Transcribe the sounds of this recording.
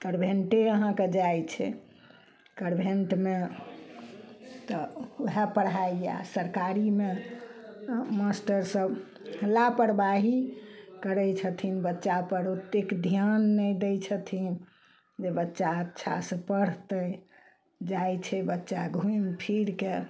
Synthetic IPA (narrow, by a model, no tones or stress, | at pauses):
kəɾbʱeɳʈeəɦãked͡ʒajt͡ʃʰɛ̰ | kəɾbʱeɳʈme | t̪ɔɦɛpəɽaija̰səɾkaɾime | masʈəɾsəb | lapəɽbaɦikəɾɛt͡ʃʰət̪ʰinbətːʃapəɾut̪ːekd̪ʱjanːɛd̪et͡ʃʰət̪ʰin | d͡ʒebətːʃaətːʃʰa̰sə̃pəɽ̤t̪ə | d͡ʒajt͡ʃʰɛbətːʃaɡʱuimpʰiɾke